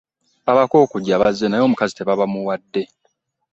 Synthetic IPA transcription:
aβako̞ːkuɟːaβazːe̞najo̞ːmukazite̞βaβamuwadːe̞

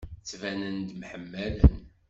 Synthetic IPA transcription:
t͡sːvænənd̪mħəmːælən

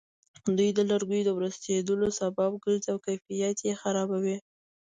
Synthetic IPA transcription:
d̪ujd̪əlaɾɡujod̪əwɾəst̪ed̪əlosabɑb̚ɡəɾzawkajfijat̪jexaɾɑbawi

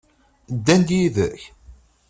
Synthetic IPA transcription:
d̪ːænd̪jiðə̰ç

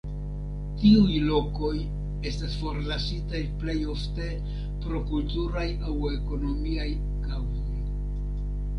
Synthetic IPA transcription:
tiujlo̞ko̞j | e̞stasfo̞ɾlasitajple̞jo̞fte̞ | pɾo̞kultuɾajawe̞ko̞no̞miaj | kawzo̞j

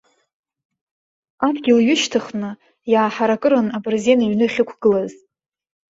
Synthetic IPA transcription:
adɡʲɪlɥʊʃtʰɨχnɨ | jaːħaɾakʼɨɾanabɨrzenaɥnɨχʲɪkʷʰɡ̥ɨlaz

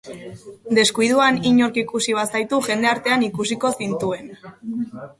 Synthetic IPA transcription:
d̪e̞skujð̞uaniɲo̞ɾkikusiβ̞asajt̪uʝe̞nd̪eaɾt̪e̞anikusiko̞sint̪ue̞n

